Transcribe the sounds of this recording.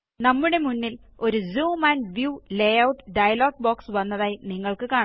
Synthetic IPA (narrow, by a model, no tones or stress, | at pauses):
nɐmːuɽe̞munːil | o̞ɾuzuːmɐnʋjuːlejɐwʈːɨɖɐjɐloːɡbo̞ːksʋɐnːɐðaːjiniŋːɐɭkɨkaːɳ